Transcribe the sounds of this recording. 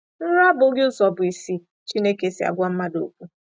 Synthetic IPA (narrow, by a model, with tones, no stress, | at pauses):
n̩˦ɾa˦bʊ˨˦ɡɪ˦ʊ˦sɔ˨bʊ˨i˨si˦ | t͡ʃi˦ne˦ke˨si˨a̰˨ɡʷa˦m̩˦ma˦do̰˨kʷu˦